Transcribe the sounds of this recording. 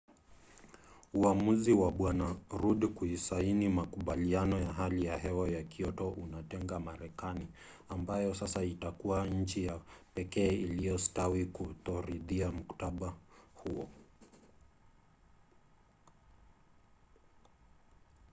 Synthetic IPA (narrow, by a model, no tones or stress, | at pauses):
uamuziwaɓwanaɾuɗikuisainimakuɓalianɔjaɦalijaɦɛwajakiɔtɔʔunatɛŋɡamaɾɛkani | ambajɔsasaitakuwaɲ̩t͡ʃijapɛkɛːilijɔstawikutɔɾiðiam̩ku̥taɓahuɔ̰